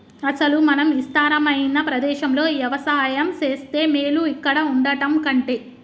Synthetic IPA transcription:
ɐsɐlumɐnɐmist̪aːɾɐmɐjinɐpɾɐd̪ɛːʃɐmlo̞ːjɐʋɐsaːjɐmt͡ʃe̞ːst̪e̞ːmeːluikːɐɽɐuɳɖɐʈɐmkɐɳʈeː

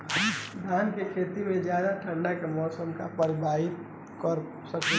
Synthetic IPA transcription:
d̪ʱaːnkekʰeːt̪imẽd͡ʒjaːd̪aʈʰə̃ɳɖakemɔːsəmkapəɾɪbʱaːɦɪt̪̚ | kəɾ | səke

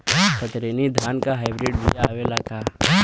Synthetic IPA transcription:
t̪ɐt̪ɾenid̪ʱaːnkaɦaɪbɾeːɖbḭjaʋelaka

